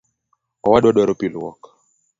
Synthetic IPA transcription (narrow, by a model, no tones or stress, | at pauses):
awaɗaɗɔɾɔpilwɔ̰k